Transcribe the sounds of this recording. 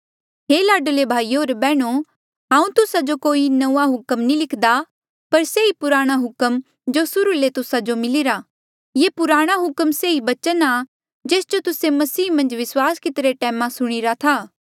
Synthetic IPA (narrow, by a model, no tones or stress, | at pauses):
ɦelaːɖəlebʱaːiːoːɾbɛːɽ̃o | ɦãːũt̪ʊsad͡ʒokoːinɐːaɦʊkəmnĩlɪkʰd̪a | pɐɾseipʊɾaːɽ̃aɦʊkəm | d͡ʒosʊɾulet̪ʊsad͡ʒomɪlɪɾa | jepʊɾaːɽ̃aɦʊkəmseibɐt͡ʃəna | d͡ʒeːsd͡ʒot̪ʊsemɐsiːmɐ̃nd͡ʒʋɪswaːskɪt̪ɾeʈɛːmãsʊɽ̃ɪɾat̪ʰaː